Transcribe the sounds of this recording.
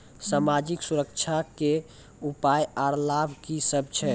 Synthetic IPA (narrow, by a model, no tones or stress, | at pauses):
samad͡ʒiksuɾəkt͡ʃʰake | upajaɾlabʱkisəb̚t͡ʃʰɛ